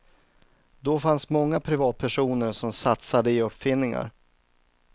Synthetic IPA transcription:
d̪ɔfansmɔŋːapʰɾɪvɑːt̪̚pʰæʂuːnəɾʂɔmsat̪sad̪əɪɵpːfɪnːɪŋa̰ɾ

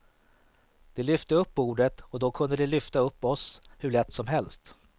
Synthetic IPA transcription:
d̪̥ɛlʏft̪əɵpːuːɖət̪ɔd̪ɔkʰɵnd̪əd̪ɛlʏft̪aɵpːɔshɵɭɛt̪ːsɔmɦɛlst̪

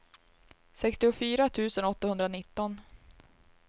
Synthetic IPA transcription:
sɛkst̪ɪʊfyːɾat̪ʰʉ̟ːsənɔt̪ːahɵnd̪ɾanɪt̪ːɔn

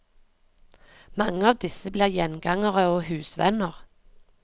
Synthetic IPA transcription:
mɑŋəɑːʋd̪ɪsəbliːʁjɛnɡɑŋəʁəoːhʉːsʋɛ̰nəʁ

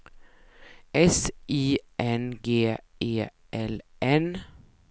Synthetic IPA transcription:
ʔɛsʔiːʔɛnɡeːeː | ʔɛlʔɛn

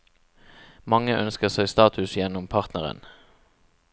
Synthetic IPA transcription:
mɑŋəʔœnskəʁsæɪst̪ɑːt̪ʰʉsjɛnʊmpʰɑʁt̪nəʁə̰n

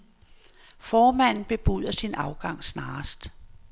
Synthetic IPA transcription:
fɒːmæn̰n̩b̥e̝b̥uð̰ˠɐsinɑ̈ʊɡ̥ɑ̈ŋ̰snɑ̈ːsd̥

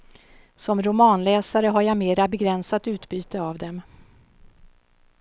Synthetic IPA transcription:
sɔmɾʊmɑːnlɛːsaɾəɦaɾjameːɾabɛɡɾɛnsat̪ʉ̟ːt̪byːt̪əavd̪ɛm

